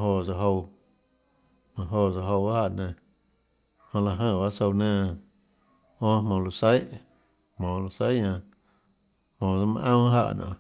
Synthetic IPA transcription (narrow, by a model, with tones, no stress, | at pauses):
ɦo˧˨za˧˨ɦo˧w | mã˧˨ɦo˧˨za˧ɦo˧wa˦ha˦˨nẽ˧˨ | hõ˧la˧˨ɦə̃˧˨ba˦so˧wnẽː˦˧˨ | õ˦mõ˨lo˧se˦j | hmõː˨lo˧se˦ɲã˧ | hmõ˨d͡za˧mã̰˧ʔã˦ɦa̰˧˨nʔã̰˨